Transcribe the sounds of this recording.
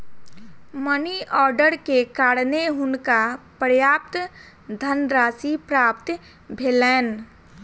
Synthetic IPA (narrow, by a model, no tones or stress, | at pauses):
məniʔɔːɾɖəɾkekaːɽneɦʊnkapɾəjaːp̚t̪ | d̪ʱənɾaːsipɾaːpt̪ | bʱeːlɛːn